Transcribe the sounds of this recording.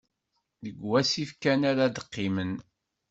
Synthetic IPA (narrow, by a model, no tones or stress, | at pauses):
ðəɡwæsifkænaɾad̪əqːimən